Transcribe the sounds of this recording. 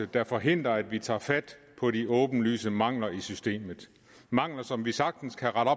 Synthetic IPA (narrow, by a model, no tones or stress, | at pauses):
əd̥ɑ̈fɒ̽ɦe̝n̰d̥ʁɐæd̥ʋit͡sʰɑ̰̈ːfæd̥pʰɒ̽ɾiʔɔ̽ːb̥n̩ly̰ːsəmɑ̈ŋ̰lɐisysd̥e̝̰ːmð̩ˠ | mɑ̈ŋ̰lɐsɒ̽mʋisɑ̈ɡ̥̚d̥n̩skʰæʁɑɾ̥ɒ̽